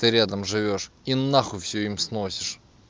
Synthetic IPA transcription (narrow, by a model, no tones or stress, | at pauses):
t̪ɨɾʲad̪əmʐɨvʲo̞ʂ | inːaxʊfsʲuimsnosʲɪ̥ʂ